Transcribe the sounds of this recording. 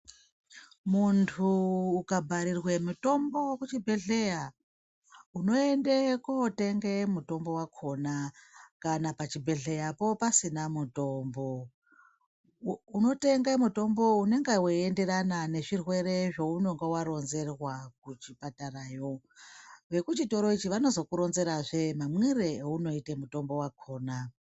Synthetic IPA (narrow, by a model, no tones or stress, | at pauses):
muntʰuːkabʱaɾirwemuto̞mbo̞wokut͡ʃibʱe̞ɮe̞ja | uno̞e̞ndekote̞ŋɡemuto̞mbo̞wakʰo̞nakanapat͡ʃibʱe̞ɮe̞japo̞pasinamuto̞mbo̞ | uno̞te̞ŋɡamuto̞mbo̞une̞ŋɡeweende̞ɾanane̞ʐirwe̞ɾe̞ʐouno̞ŋɡewaɾo̞nze̞rwak̚ut͡ʃipataraːjo̞ | ʋe̞kut͡ʃito̞ɾo̞it͡ʃiʋano̞zo̞kuɾo̞nze̞ɾaʐe̞mamwireeuno̞itemuto̞mbo̞wakʰo̞ːna